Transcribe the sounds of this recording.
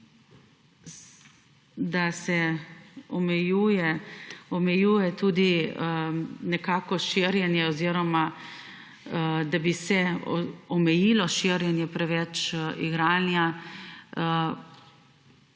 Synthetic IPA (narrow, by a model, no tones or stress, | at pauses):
d̪asɛ | ɔmɛjujɛɔmɛjuːjɛt̪uːd̪i | nɛkaːkɔʃiɾjɛnjɛɔziɾɔma | d̪abisɛ | ɔmɛjilɔʃiɾjɛnjɛpɾɛʋɛt͡ʃiɡɾaːnja